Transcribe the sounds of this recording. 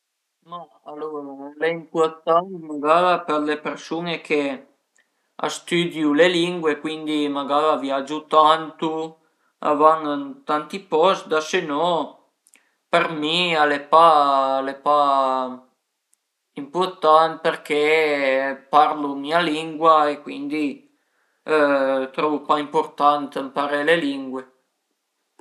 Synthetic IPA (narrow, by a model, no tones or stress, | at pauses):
ma | aloɾalɛimpuɾt̪ant̪maɡaɾapeɾlepeɾsunekʰe | a̰st̪yd̪juleliŋɡwekwind̪imaɡaɾavjad͡ʒut̪ant̪u | a̰vaŋant̪ant̪ipɔsd̪asenɔ | permialepalepa | import̪ant̪̚perkʰe | parlumialiŋɡwaekwind̪i | t̪ɾɔvupaimport̪ant̪əmpaɾeleliŋɡwe